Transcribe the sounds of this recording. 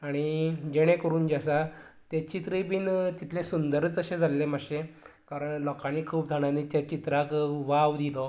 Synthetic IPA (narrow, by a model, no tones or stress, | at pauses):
aɽ̃id͡ʑeɽ̃ẽkəɾuːnd͡ʑasat̪et͡ɕit̪ɾibiːnt̪it̪ʰlesund̪əɾət͡səɕẽd͡zʱalːemaɕe | kaɾəɳlɔkaniːkʰuːpd͡zʱaɽ̃anit̪jat͡ɕit̪ɾakʋaʋd̪ilɔ